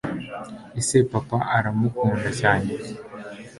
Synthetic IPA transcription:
esepapaʔaɾamukuːndacaːɲe

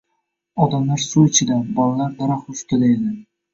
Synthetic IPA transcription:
ɒd̪amlaɾsuɪt͡ʃʰɪd̪abɒlalaɾd̪aɾaχʊst̪ʰɪd̪aed̪ɪ

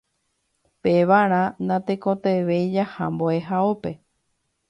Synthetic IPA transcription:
peʋaɾ̃ãnãt̪ekõt̪eʋejd͡ʒahamboe̞ɦaope̞

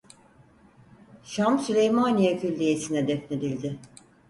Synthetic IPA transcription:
ʃamsylʲejmanijacʰylʲːijesinɛd̪ɛfned̪ilʲd̪ɪ

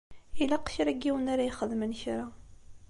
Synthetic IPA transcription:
ilæqːçɾæɡiwənaɾajiχəðmənçɾa

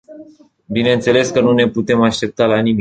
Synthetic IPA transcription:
binent̪se̞le̞skənune̞put̪e̞maʃt̪e̞p̚t̪alanimi

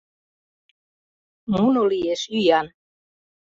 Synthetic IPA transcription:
munolieʃyjɑn

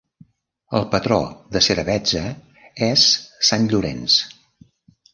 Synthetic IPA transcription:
əlˠpət̪ɾɔ̰ðəsəɾəβɛd͡zə | ɛsːanʎuɾɛ̰ns

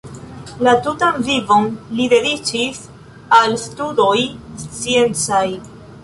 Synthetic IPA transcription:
latutanvivo̞nlide̞dit͡ʃis | alstudo̞jst͡sie̞nt͡saj

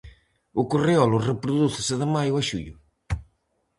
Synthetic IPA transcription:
ʊkoreɔlʊrepɾʊðuθɪsɪðɪmajʊaʃuʎʊ

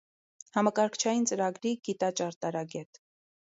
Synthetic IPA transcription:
hɑmɑkɑɾkʰt͡ʃʰɑjint͡səɾɑɡɾiɡ̥it̪ɑt͡ʃɑɾt̪ɑɾɑɡɛt̪

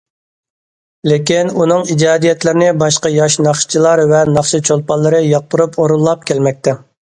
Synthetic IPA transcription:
lekʲinunɨŋid͡ʒɑːd̪ijɛt̪lɪɾɪnɪbɑʃqɑjɑʃnɑχʃt͡ʃʰilˠɑɾvɛnɑχʃɨt͡ʃʰolˠpɑlˠːɨɾɨjɑq̚bʊɾupoɾulˠːɑp̚kʲʰɛlmɛk̚ʲt̪ɛ

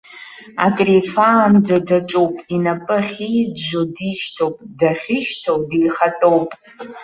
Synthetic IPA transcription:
a̰kʼrifaːnd͡zadaʈ͡ʂʼowpʼinapʼɨχʲidʒʷodiʃtʰowpʼdaχʲɪʃtʰowdiːχatʼowpʼ

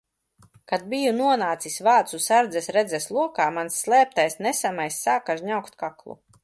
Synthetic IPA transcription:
kad̪̚bijunuɔnaːt̪sisvaːt̪susaɾd̪zɛsɾɛd̪zɛslˠuɔkaːmansːlˠɛːp̚t̪ajsnɛsamajsːaːkaʒɲawkt̪kaklˠṵ

